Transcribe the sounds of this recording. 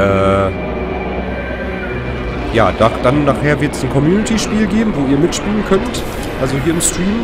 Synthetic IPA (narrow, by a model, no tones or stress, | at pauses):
ʔɛː | jaːd̥aχd̥anːaːχheːɐvɪɐtsn̩kʰɔmjuːnɪtʰiʃpiːlɡeːbm̩voːiːɐmɪtʃpiːlənkʰœnt | ʔalzoɦiːɐɪmstʁ̥iːm